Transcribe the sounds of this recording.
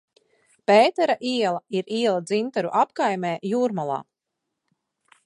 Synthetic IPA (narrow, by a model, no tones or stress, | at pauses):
peːt̪ɛɾaʔiɛlˠaiɾiɛlˠad̪zint̪aɾuʔap̚kajmeːjuːɾmalˠa̰ː